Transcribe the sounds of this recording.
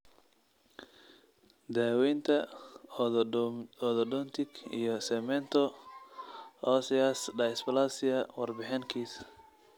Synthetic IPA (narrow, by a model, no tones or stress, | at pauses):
d̪aːwɛjnt̪ʰɐ | ɔðɔɖɔnt̪ʰɪkḭjɞsɛmɛnt̪ʰɔ | ɔːsɪasɖɐsbɐlasɪɐwɑrbɪħɪŋkʰiːs